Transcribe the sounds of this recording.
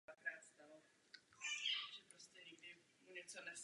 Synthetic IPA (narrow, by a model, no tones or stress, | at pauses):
akɾaːt̪st̪alo | ʒɛpɾoscɛɲɛɡdɪ | muɲɛt͡sonɛs